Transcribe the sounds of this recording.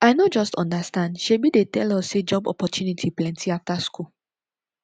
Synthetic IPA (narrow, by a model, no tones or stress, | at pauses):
aɪnɔd͡ʒɔstɔ̃ndastãndʃebidetɛlɔsːed͡ʒɔbɔ̰pɔtʰjunitʰiplɛ̃ntʰiaftasku